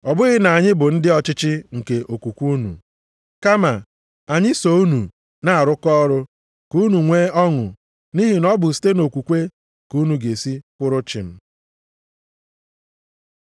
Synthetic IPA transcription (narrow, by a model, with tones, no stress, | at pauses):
ɔ˨bʊ˦ɣɪ˦na˨ɲɪ˦bʊ˨n̩˦dɪ˦ɔ˨t͡ʃɪ˦t͡ʃɪ˦ŋ̩˨ke˨ʔo˨kʷu˨kʷu˦nṵ˨ | ka˦ma˨ | a˨ɲɪ˦so˦u˦nu˨ | na˨a˨ɾʊ˦kɔ˦ɾʊ˦ | ku˦nu˨ŋʷeː˦ɔ˦ŋʊ̰˨ | ni˦ɦi˨nɔ˦bʊ˨si̥˦te˦no˨kʷu˨kʷe˦ | ku˦nu˨ɡe˨si˦kʷʊ˦ɾʊ˦t͡ʃɪ̰˨m̩˦